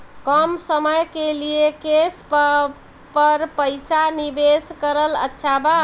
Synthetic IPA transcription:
kəmsəməjkeliekesp | pəɾpəjsanibeskəɾələ̰tːʃʰaba

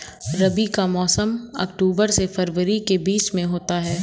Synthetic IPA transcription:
ɾɐbikamɔːsəmɐ̰kʈuːbəɾsefɐɾʋəɾikebiːsmẽɦoːt̪aɦɛː

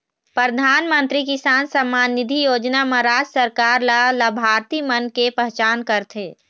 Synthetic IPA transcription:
pɾəd̪ʱaːnmə̃nt̪ɾikɪsaːnsəmːaːnːɪd̪ʱijoːd͡ʒnaməɾaːd͡ʒsəɾkaːɾlaləbʱaːɾt̪imənkepəɦt͡ʃaːnkəɾt̪ʰeː

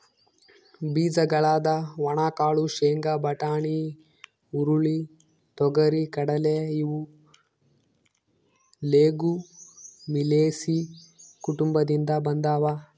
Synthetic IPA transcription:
biːd͡ʒɐɡɐɭaːd̪ɐʋɐɳaːkaːɭuʃeːŋɡɐbɐʈaːɳi | uɾuɭi | t̪ɔɡɐɾikɐɽɐleiʋu | leːɡu | mileːsi | kuʈumbɐd̪ind̪ɐbɐnd̪aːʋa

